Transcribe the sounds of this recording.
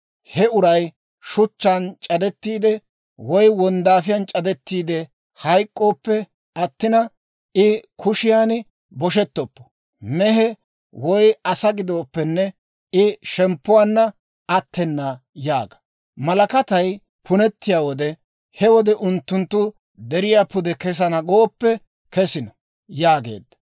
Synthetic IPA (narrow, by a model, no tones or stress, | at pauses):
hɛʊɾɐj | ʃʊt͡ʃːant͡ʃʼɐd̪ɛt̪ːiːd̪ɛ | wɔjwɔnd̪aːfɪjant͡ʃʼɐd̪ɛt̪ːiːd̪ɛ | hɐjkʼːo̞ːpːɛ | ʔɐt̪ːɪnɐ | ɪkʰʊʃɪjaːn | bɔʃ̬ɛt̪ːɔpːɔ̥ | mɛɦɛ | wɔjɐsɐɡɪd̪oːpːɛnːɛ | ɪʃɛmpːʊwaːnːɐ | ɐt̪ːɛnːaː | jaːɡɐ̥ | mɐlɐkɐt̪ɐj | pʰʊnɛt̪ːɪjaːwɔd̪ɛ | hɛwɔd̪ɛʔʊnt̪ːʊnt̪ːʊ | d̪ɛɾɪjaːpʊd̪ɛkɛs̬ɐnɐɡoːpːɛ | kɛsɪnɔ | jaːɡḛːd̪ːɐ̥